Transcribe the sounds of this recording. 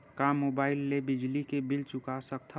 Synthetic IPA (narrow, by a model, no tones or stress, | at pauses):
kamoːbaːɪlːebɪd͡ʒlikebɪlt͡ʃʊkasək̚t̪ʰ